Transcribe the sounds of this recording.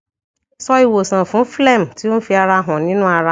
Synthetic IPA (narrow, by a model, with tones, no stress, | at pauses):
sɔ˦i˨wo˨sã˨fʊ̃˦fle˦˨m̩˨ti˦o˦fi˦a˨ɾa˦ɦʊ̃˨nɪ̃˦nʊ̃˦a˨ɾa˦